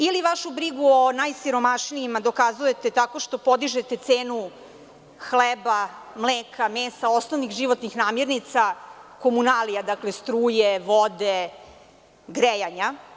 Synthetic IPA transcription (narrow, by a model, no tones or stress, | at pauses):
iliʋaʃubɾiɡuonajsiɾo̞maʃniimad̪o̞kazuje̞t̪e̞t̪ako̞ʃt̪o̞po̞d̪iʒet̪e̞t̪seːnu | xlebamleːkʰameːst̪ao̞snoʋnixʒiʋo̞t̪nixnaːmjiɾnit̪sako̞munalijad̪akle̞st̪ɾuːjeʋod̪e | ɡɾejaɲa